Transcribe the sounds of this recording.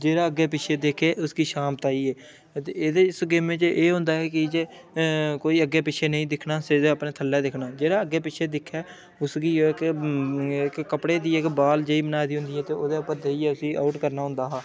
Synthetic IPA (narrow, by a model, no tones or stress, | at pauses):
d͡ʒeːɾaːəɡeːpɪt͡ʃʰeːd̪eːkʰeːʔʊsɡiːʃaːmp̚t̪aːiːeː | t̪eeːd̪eːɪsɡeːmẽːt͡ʃʔeːɦʊ̃nd̪aːɦɛːkɪd͡ʒeː | koːiːəɡːeːpɪt͡ʃʰeːnəĩːd̪ɪkʰnaːsed̪eəpnẽːt̪ʰəlːɛːd̪ɪkʰnaːd͡ʒeːɾaːəɡːeːpɪt͡ʃʰeːd̪ɪkʰːɛː | ʊsɡiːoːɪk | ɪkːəpɽeːd̪iːɪkbaːld͡ʒeːiːbənaːd̪iːɦʊ̃nd̪iːɦɛːt̪eːoːd̪eːʊpːəɾd̪eːiːɛːʊsiːʔa̰ʊʈkəɾnaːɦʊ̃nd̪aːɦaː